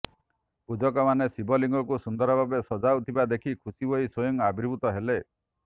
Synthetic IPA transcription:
pud͡ʒɔkɔmanesibɔliŋɡɔkusund̪ɔɾɔbʱabesɔd͡ʒaut̪ʰibad̪ekʰikʰusibʱoisɔjɔŋabiɾbʱut̪ɔɦele

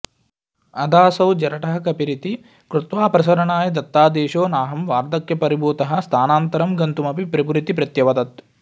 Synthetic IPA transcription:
ɐd̪aːsɐwd͡ʒɐɾɐʈɐɦɐkɐpiɾit̪i | kɾut̪ʋaːpɾɐs̬ɐɾɐɳaːjɐd̪ɐt̪ːaːd̪eːʃoːnaːɦɐmʋaːɾd̪ɐkjɐpɐɾibuːt̪ɐɦɐ̆st̪ʰaːnaːnt̪ɐɾɐmɡɐnt̪umɐpipɾɐpuɾit̪ipɾɐt̪jɐʋɐd̪ɐt̪

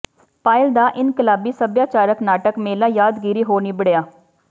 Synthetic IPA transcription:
paːɪld̪aːʔɪnkəlaːbiːsəbjaːt͡ʃaːɾəknaːʈəkmeːlaːjaːd̪ɡiːɾiːɦoːniːbəɽejaː

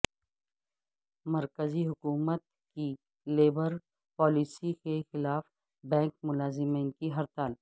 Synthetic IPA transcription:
mɐɾkəziɦʊkuːmət̪̚ | ki | leːbəɾ | pɔːliːsikexɪlaːf | bɛ̃ːŋk̚mʊlaːzɪmĩːnkiɦɐɾt̪al

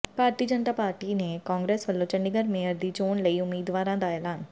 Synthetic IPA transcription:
paːɾt̪iːd͡ʒənt̪aːpaːɾʈiːneːkãːŋɡɾeːsʋəlːõːt͡ʃəɳɖɪɡəɾmeːjəɾd̪iːt͡ʃoːɳləiːʊmːiːd̪ʋaːɾãːd̪aːɛːlaːn

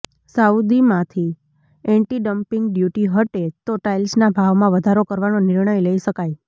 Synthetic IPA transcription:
saud̪imãt̪ʰi | ɛ̃ɳʈiɖəmpɪ̃ŋɡɖjuʈiɦəʈet̪oʈailsnabʱaʋmãʋəd̪ʱaɾokəɾʋanonɪɾɳəjləiʃəkaj

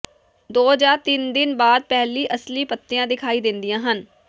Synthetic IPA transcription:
d̪oːd͡ʒaːɾt̪ɪnd̪ɪnbaːd̪̚pɛɦliːʔəsliːpət̪ːɪjãːd̪ɪkʰaːiːd̪ɪnd̪ɪjãːɦən

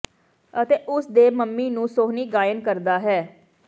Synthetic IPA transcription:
ət̪eːʔʊsd̪eːməmːiːnũːsoːɦniːɡaːjənkəɾd̪aːɦɛː

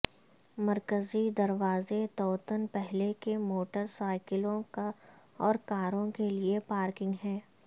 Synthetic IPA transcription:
mɐɾkəzid̪ɐɾʋaːzet̪ɔːt̪ənpɛɦlekemoːʈəɾsaːɪkɪlõka | ɔːɾkaːɾõkeliepaːɾkɪ̃ŋɡɦɛ̃ː

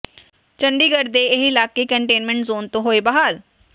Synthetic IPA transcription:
t͡ʃə̃ɳɖiːɡəɾd̪eɪɦɪlaːkekəɳʈeːnmɛ̃ɳʈzoːnt̪õɦoːebɐɦaːɾ

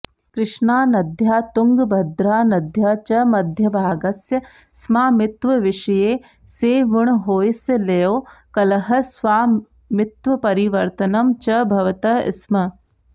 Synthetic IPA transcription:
kɾɪʂɳaːnɐd̪ʱjaːt̪ʊŋɡbʱɐd̪ɾaːnɐd̪ʱjat͡ʃɐmɐd̪ʱjɐbʱaːɡɐsjɐ | smaːmɪt̪ʋɐʋɪʃɐjeː | seːʋʊɳ̃ɦoːjsjɐlejoːkɐlɐɦɐ̆sʋaːm | mɪt̪ʋɐpɐɾiʋɐɾt̪ɐnɐmt͡ʃɐbʱɐʋɐt̪ɐɪ̰smɐ

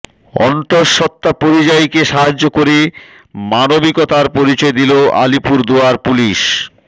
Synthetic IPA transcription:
ɔ̰nt̪oɾʃɔt̪ːapoɾid͡ʑajkeʃaɦad͡ʑːokoɾe | manobikɔt̪aɾpoɾit͡ɕɔed̪iloa̰lipuɾd̪oaɾpuliʃ

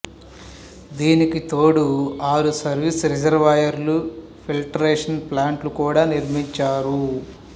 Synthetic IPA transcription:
d̪iːnikit̪oːɽuaːɾusɐɾʋisɾid͡ʒɐɾʋaːjɐɾlu | pʰilʈɐɾeːʂɐnplaːɳʈlukuːɽaːniɾmiɲt͡ʃaːɾu

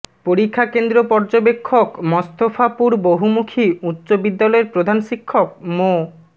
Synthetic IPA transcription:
poɾikʰːakend̪ɾopɔɾd͡ʑobekʰːokmɔst̪ofʰapuɾboɦumukʰiutːɕobid̪ːalɔeɾpɾod̪ʱanʃikʰːok̚mo

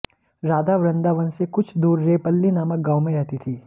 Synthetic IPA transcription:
ɾaːd̪aʋɾə̃nd̪aʋənsekʊt͡ʃʰd̪uːɾːeːpəlːinaːmək̚ɡaːwmẽɾɛɦt̪it̪ʰiː

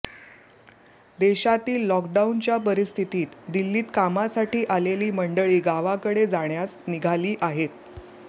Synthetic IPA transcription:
d̪eɕat̪iːlːɔkɖaunt͡ɕjapəɾist̪ʰit̪iːt̪d̪ilːiːt̪kamasaʈiːʔaleliːməɳɖəɭiːɡaʋakəɽed͡zaɳjasniɡʱaliːʔaɦet̪̚

